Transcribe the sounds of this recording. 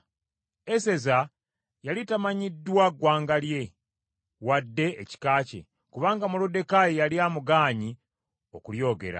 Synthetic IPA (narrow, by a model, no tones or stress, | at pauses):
ese̞za | jalitamaɲidːwaɡwaːŋɡalje̞ | wadːe̞ːci̥kaːce̞̰ | kuβaːŋɡamulode̞kajejaliaːmuɡaːɲi | o̞̰kuljo̞ːɡe̞̰ɾa̰